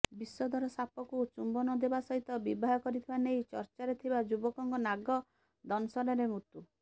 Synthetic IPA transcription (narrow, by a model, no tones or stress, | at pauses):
bisɔd̪ʱɔɾɔsapɔkut͡ʃumbɔnɔd̪ebasɔɦit̪ɔbibʱaɦɔkɔɾit̪ʰibanejt͡ʃɔɾt͡ʃaɾet̪ʰibad͡ʒubɔkɔŋkɔnaɡɔ | d̪ɔnɔsɔɾɔɾemut̪u